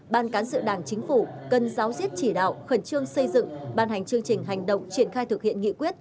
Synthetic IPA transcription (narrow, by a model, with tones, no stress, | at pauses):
ɓaː˧˩nkaː˨˦nsɨ̰˧˨ɗaː˧˩ŋt͡ɕï˨˦ŋ̟fu˧˩kə˨˩nzaː˨˦wzi˦˥əp̚t͡ɕi˧˩ɗa̰ː˧˨wxə˨˩nt͡ɕɨ˧əŋsə˧jzɨ̰˧˨ŋɓaː˧˩nha˨˩jŋ̟t͡ɕɨ˧əŋt͡ɕï˨˩ŋ̟ɦa˨˩jŋ̟ɗə̰˧˨wŋ͡mt͡ɕwi˧˩ənxaː˧jt̪ʰɨ˨˩k̚hḭ˧˨ənŋḭ˧˨kwi˦˥ət̚